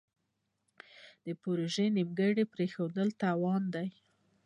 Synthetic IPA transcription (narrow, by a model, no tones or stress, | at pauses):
d̪̥əpoɾoʒenimɡəɽepɾexad̪əlt̪ɑwɑnd̪aj